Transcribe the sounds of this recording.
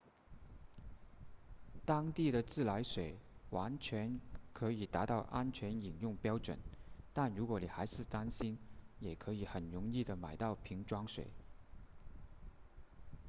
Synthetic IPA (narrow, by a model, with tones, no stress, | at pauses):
t̪ɑ˥ŋt̪i˥˩ɾə˩t͡sɹ̩˥˩la˧˥ɪʂwe˨˩ɪwa˧˥nt͡ɕʰɥɛ˧˥nkʰɤ˧˥i˨˩t̪a˧˥t̪ɑ˥˩ʊʔa˥nt͡ɕʰɥɛ˧˥ni˨˩ŋjʊ˥˩ŋpjɑ˥ʊʈ͡ʂwə̰˨˩˦nt̪a˥˩nɻu˧˥kwɔ˧˥ni˨˩xa˧˥ɪʂɻ̩˥˩t̪a˥nɕi˥njɛ˨˩kʰɤ˧˥i˨˩xə˨˩nɻʊ˧˥ŋi˥˩d̪ə˩ma̰˨˩ɪt̪ɑ˥˩ʊpʰi˧˥ŋʈ͡ʂwɑ˥ŋʂwḛ˨˩ɪ